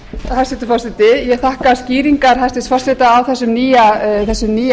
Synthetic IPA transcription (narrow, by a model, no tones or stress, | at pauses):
hast̪ɪt̪ʏ̥fawsɪt̪ɪjɛɣθahkasciːɾiŋkaɾ̥hasɪst̪fawst̪ɪt̪aːwθɛsːʏmniːjaθɛsːʏmniː